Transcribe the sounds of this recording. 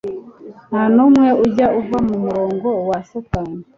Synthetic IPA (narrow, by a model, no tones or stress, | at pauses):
nanumweuɟauvamumuɾoːŋɡowasokaːni